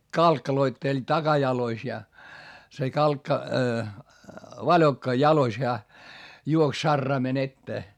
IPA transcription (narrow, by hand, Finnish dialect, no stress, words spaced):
kɑlkːɑloitːelʲ tɑkɑjɑlois jɑ se kɑlkːɑ ʋɑlʲokːɑ jɑlois heæ juoks sɑrːɑimen etːeː